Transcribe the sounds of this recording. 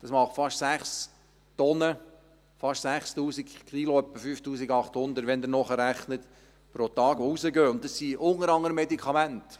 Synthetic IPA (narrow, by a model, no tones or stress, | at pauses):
d̪̥ɑsmɑχtfɑʃsæχs | tɔnə | fɑʃsæχst̪uːsikkʰiloœpːəfyːftuːsiɡɑχthʊnd̪əɾtʋɛnd̪ənɔχəɾæχnət | pɾotɑːɡʋousəɡøːʊnt̚dɑssiʔʊŋəɾɑŋːəɾəmːɛdikʰχɑmænt